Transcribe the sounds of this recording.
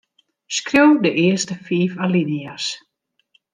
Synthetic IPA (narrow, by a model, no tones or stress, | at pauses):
skrowdəʔɪəstəfiːfalinias